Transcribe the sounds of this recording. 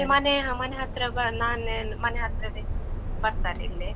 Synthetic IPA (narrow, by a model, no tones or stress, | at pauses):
emaneɦãmaneɦat̪ɾɐbɐnaːn | mɐneɦat̪ɾɐd̪ebɐɾt̪aɾḭlːe